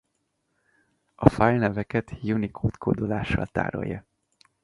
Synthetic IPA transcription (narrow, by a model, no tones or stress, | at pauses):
ɒfajlnɛvɛkɛt̪junikʰoːt̪kʰoːd̪olaːʃːɒ̰lt̪a̰ːɾo̰jːɒ